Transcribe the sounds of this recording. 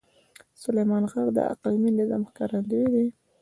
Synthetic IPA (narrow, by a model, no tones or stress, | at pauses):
sʊlejmɑnɣaɾd̪ə̰a̰qlminaza̰mxkɑɾand̪uwd̪i